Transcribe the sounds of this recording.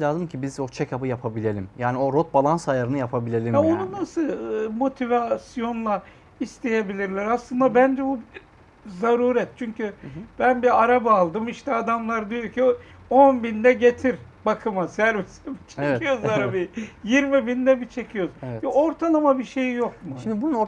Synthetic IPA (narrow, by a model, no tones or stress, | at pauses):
lʲaːzɯmcʰibizo̞t͡ʃʰɛcabɯjapʰabilʲe̞lʲimjaːnio̞ɾot̪̚balˠansajaɾɯnɯjapʰabilʲe̞lʲimɛonunasɯmo̞t̪ʰivasijo̞nlˠa | ist̪ʰe̞je̞bilʲiɾlʲæɾaslˠɯnd̪abænd͡ʒɛbu | zaɾuːɾɛt̪̚t͡ʃʰyɲcʰyb̥ænbiaɾabaːlˠd̪ɯmiʃt̪ʰɛad̪amlˠaɾd̪ijoci | o̞nbind̪ɛɟe̞t̪ʰiɾ | bakʰɯmasæɾbisɛbit͡ʃʰecijozaɾabijiɾmibind̪ɛbit͡ʃʰe̞cʰijozo̞ɾt̪ʰalˠamabiʃe̞jjo̞kmuʃʃimd̪ibunno